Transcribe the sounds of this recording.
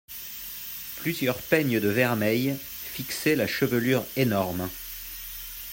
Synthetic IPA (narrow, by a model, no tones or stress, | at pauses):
plyzjœʁpɛɲəd̪əvɛʁmɛj | fikselaʃəvəlyʁenɔʁm